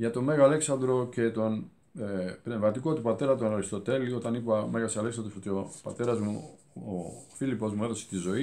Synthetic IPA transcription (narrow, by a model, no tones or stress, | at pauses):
ʝɐt̪o̞me̞ɣɐle̞ksɐnd̪ɾo̞ce̞t̪o̞n | pne̞vmɐt̪ikot̪upɐt̪e̞ɾɐt̪̬onoɾist̪ot̪e̞lio̞t̪ɐnipme̞ɣɐsɐle̞ksɐnd̪osot̪iopɐ̰t̪e̞ɾɐzmu | ofilipo̞zmue̞ðo̞se̥t̪izo̞i